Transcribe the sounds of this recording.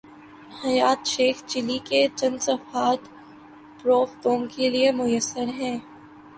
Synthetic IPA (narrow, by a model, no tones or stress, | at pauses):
hɐjaːt̪ʃeːxt͡ʃɪliket͡ʃɐ̃nd̪sɐfaːt̪ | pɾoːft̪õːmkeliemʊjəsːəɾɦɛ̃ː